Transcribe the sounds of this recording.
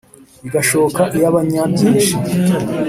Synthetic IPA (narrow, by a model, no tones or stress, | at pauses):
iɡaʃoβokaʔijaβaɲadiːʃi